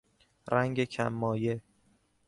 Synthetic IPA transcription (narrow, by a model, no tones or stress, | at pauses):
ɾæŋɡecʰæmːɒːje